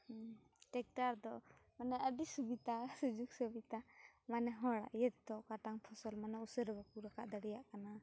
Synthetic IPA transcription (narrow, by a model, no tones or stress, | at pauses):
ʈɛk̚ʈaɾd̪ɔmanɛʔəɖisubit̪asəd͡ʒuk̚səbit̪amanɛɦɔɽa̰ʔjɛt̪̚d̪ɔkaʈaŋpʰɔsɔlmanausəɾɛbɔkuɾakaʔd̪əɽijaʔkana